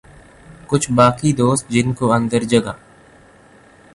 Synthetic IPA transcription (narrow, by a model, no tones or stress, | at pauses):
kʊt͡ʃʰbaːkid̪oːst̪̚d͡ʒɪnkoə̃nd̪əɾd͡ʒəɡa̰ː